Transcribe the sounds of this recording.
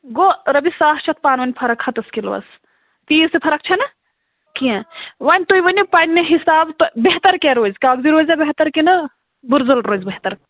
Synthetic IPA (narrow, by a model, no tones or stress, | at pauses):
ɡoːɾɐbisaːht͡ʃʰɐt̪̚ʰpaːnʋɐnʲpʰɐɾɐkhɐt̪ɐskilʋɐ̰s | t̪iːsepʰɐɾɐk̚t͡ʃʰɐnɐ | kiẽʋanʲt̪ojʋɐnʲipɐnʲːeɦisaːbt̪obeɦt̪ɐɾkeɾoːzkaːɡd̪iɾoːzɐbeɦt̪ɐɾkinɐ | buɾzɐlɾoːzbeɦt̪ɐɾ